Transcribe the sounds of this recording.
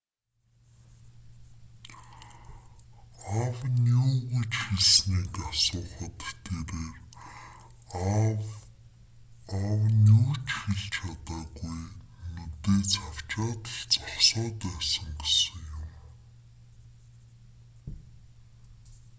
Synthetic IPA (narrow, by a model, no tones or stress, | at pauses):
awnuːɣɵ̆t͡ɕxeɮsniːkasʊːχə̆t̪t̪ʰːeːɾeːr | awnuːt͡ɕxiɮt͡ɕʰat̪aːɣuj | nɵt̪eːt͡sʰaw̥t͡ɕaːt̪t͡sɔχsɔːt̪æːsə̆ŋɡesə̆ŋjʊm